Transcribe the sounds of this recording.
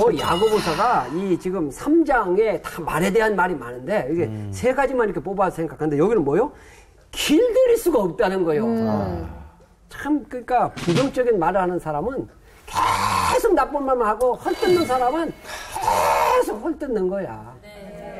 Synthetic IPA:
ʌja̰ɡobosʰaɡait͡ɕiɡɯmsʰamd͡ʑaŋe̞tḁma̰ɾe̞de̞ɦanmaɾimanɯnde̞ikesʰe̞ɡad͡ʑimaniɾʌkʰep̬͈obasʰe̞ŋɡakʰandejʌɡinɯnmwʌjo | kiɭdɯɾiɭs͈uɡaʌp̚t͈anɯnɡʌjo | t͡ɕʰamkɯɲik͈apud͡ʑʌŋt͡ɕ͈ʌɡinmaɾɯɭhanɯnsʰaɾamɯn | kesʰɯmnak̚p͈onmaɭmɯhaɡohʌɭt͈ɯnːɯnsʰaɾamɯnesʰohʰʌɭt͈ɯnːɯnɡʌja̰

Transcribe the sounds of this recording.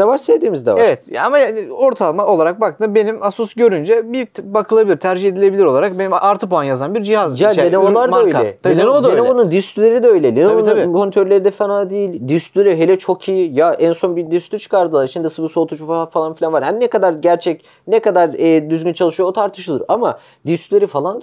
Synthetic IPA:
d̪avaɾsevd̪iːmizd̪ɛ̰vaevɛt̪amajao̞ɾt̪ʰalˠmaʔo̞lˠaɾak̚bakt̪ɯnbe̞nimasusɟø̞ɾynd͡ʒɛbibakʰɯlˠabilʲiɾt̪ʰæɾd͡ʒihe̞d̪ilʲe̞bilʲiɾo̞lˠaɾak̚benimaɾt̪ʰɯpoanjazanbiɾd͡ʒihazd͡ʒialʲenevolˠaɾd̪aøjʲɛ̰enend̪eevonund̪ist̪ʰylʲeɾid̪ɛø̞jlʲɛlʲenovonmonit̪ʰøɾlʲeɾid̪ɛfanad̪ejilʲd̪ist̪ʰylʲeɾiɦelʲɛt͡ʃʰo̞kʰijijaʔænso̞nbid̪ist̪yt͡ʃʰɯ̥kaɾd̪ɯlˠaɾit͡ʃʰind̪ɛsɯbɯso̞lˠt̪ʰut͡ʃuffalˠanfilʲanvaɾhaninɛkad̪aɾɟæɾt͡ʃʰɛc̚ | nɛkad̪aɾɛːd̪yzɟynt͡ʃʰalˠɯʃɯjoot̪ʰaɾt̪ʰɯʃɯlˠɯɾama | d̪ist̪ʰylʲeɾifalˠan

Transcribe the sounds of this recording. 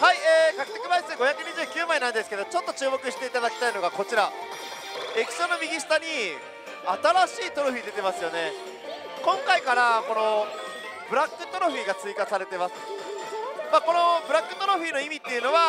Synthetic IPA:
haieːkakɯ̥t̪ekimaiseɡo̞çjakɯ̟ɲ̟iʑɨːkʲɨːmainãnd̪e̞sɨ̥ke̞d̪ot͡ɕo̞t̪ːo̞t͡ɕɨːmo̞kɯ̟ɕi̥t̪e̞it̪ad̪akʲt̪aino̞ɡako̞t͡ɕiɾa | ekʲi̥ɕo̞no̞mʲiɡʲisi̥t̪aɲ̟i | at̪aɾaɕiːt̪o̞ɾo̟ɸ̟id̪e̞t̪e̞masɨjo̞ne̞ | kõ̞ŋkaikaɾako̞no̞ | bɯ̟ɾakːɯ̟t̪o̞ɾoɸiːɡat͡sɨikasaɾe̞t̪e̞masɨ̥ | mako̞no̞bɯ̟ɾakːɯ̟t̪oɾoɸ̟iːno̞imʲit̪ːeiɯ̟no̞βa

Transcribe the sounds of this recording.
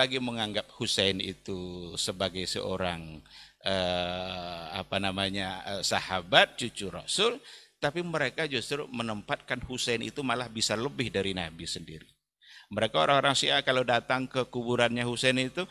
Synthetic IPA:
aɡiməŋaŋɡap̚husɛnḭt̪usəbaɡajsə̰ʔo̰ɾaŋʔə | a̰panamaɲaəsahabat̪̚t͡ʃut͡ʃuɾa̰sʊlt̪apiməɾekad͡ʒust̪ɾumənəmpat̪̚kanhusɛnḭt̪umalahbisaləbɪhdaɾinabisəndḭɾi | məɾekaoɾaŋoɾaŋsiakalodat̪aŋkəkubuɾanɲahusɛnit̪u

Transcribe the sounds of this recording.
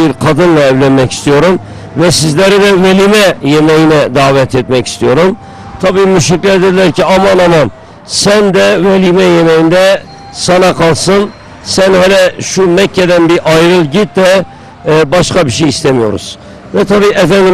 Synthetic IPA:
iɾqʰɑd̪ɯnlˠɑɛvlɛnmɛkʲi̥st̪ʰijoɾum | vɛsizlæɾɪd̪ɛvɛlimɛjemɛjinɛd̪ɑːvɛt̪ʰet̪̚mɛkʲi̥st̪ʰijoɾum | t̪ʰɑbimyʃikʲlɛd̪ɪd̪ɪlæɾkʲiɑmɑnɑmɑn | sɛnd̪ɛvɛlimɛjemɛjind̪ɛ | sɑnɑqʰɑlˠsɨn | sɛnhølɛʃumɛkʰʲːɛd̪ɛnbɪɾʔɑjɾɨlˠɡʲit̪̚d̪ɛ | bɑʃqɑbiʃ̬ɛjist̪ɛmijo̰ɾṵz̥ | vɛt̪ʰɑbiːʔɛfɛnd̪ɪ

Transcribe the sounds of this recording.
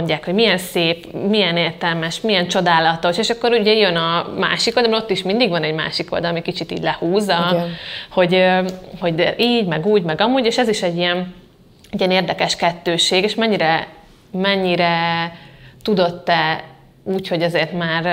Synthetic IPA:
ɲɟːaːkho̞ɟmijɛnseːpmijɛneːrt̪ɛlmɛʃmijɛnt͡ʃo̞d̪aːlɒt̪o̞ʃeːʃɒkːoɾuɟɛjønɒma̰ːʃikold̪lːmot̪ːiʃmind̪iɡʋɒnɛɟma̰ːʃiko̞ld̪ɒlɒmikit͡ʃit̪ḭːɟʲlɛhuːzɒ | ho̞ɟho̞ɟiːɟmɛɡuːɟmɛɡɒmuːɟeːʃɛziʃɛɟːiɛn | ijɛneːrd̪ɛkɛʃkɛt̪ːøːʃeːɡeːʃmɛɲːiɾɛ | mɛɲːiɾɛ | t̪ud̪o̞t̪ːɛ | uːcho̞ɟɛzeːrt̪maːr

